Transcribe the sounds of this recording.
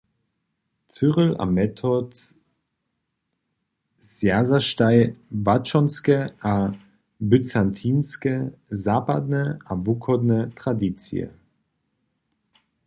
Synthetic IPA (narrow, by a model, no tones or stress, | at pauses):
t͡sɨʁəla̰mɛt̪ʰɔt̪ | sjazaʃtajvat͡ʃɔnskəʔa | byt͡sant̪ʰiːnskəzaːpa̰d̪nəavukʰɔd̪nət̪ʁ̥ad̪it͡sj̰ə̰